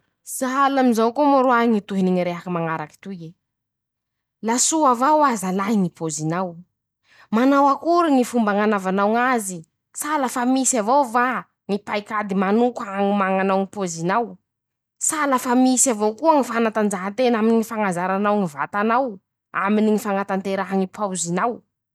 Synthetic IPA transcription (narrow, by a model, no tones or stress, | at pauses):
saɦalamizawkomaɾuaiŋit̪uɦiniŋiɾeɦakimaŋaɾaki̥t̪uje | lasuavawazalaɦinipozinaw | manawakuɾuŋifumbaŋanavanawŋazi | salafamisavowva | ŋipajkad̪imanukaŋimaŋanawŋipozinaw | salafamisavowkuəŋifanat̪and͡zaɦant̪enaminiŋifaŋazaɾanawŋiva̰t̪anaw | a̰miniŋifaŋat̪ant̪eɾaɦaŋipʰawzinaw